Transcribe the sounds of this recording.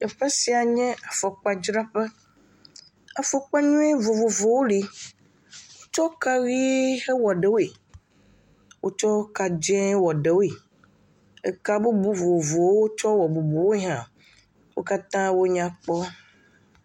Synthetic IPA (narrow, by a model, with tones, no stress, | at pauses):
ɛ˨ɸe˦si˨a˨ɲɛ̃˦a˨fɔ˨k͡pa˦d͡ʒɾa˦ɸɛ˦ | a˨fɔ˨k͡pa˦ɲũ˦e˦vo˨vo˨vo˨wo˦li˨ | wo˦t͡ʃɔ˦ka˦ɣi˦he˦wɔ˨ɖɛ˨˦wo˦e˨ | wʔo˦t͡ʃɔ˦ka˨d͡ʒɛ̃˦wɔ˨ɖe˨wo˦e˨ | e˦ka˦bu˦bu˦vo˨vo˨wo˦wo˦t͡ʃɔ˦wɔ˨bu˨bu˨wo˦e˦ɦã˨ | wo̰˦ka˦t̪ã˦wo˦ɲã˨k͡pɔ˦